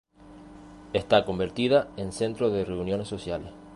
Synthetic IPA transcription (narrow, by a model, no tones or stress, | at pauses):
est̪ako̞mbe̞ɾt̪iðaense̞nt̪ɾoðereunjo̞nesːo̞sjales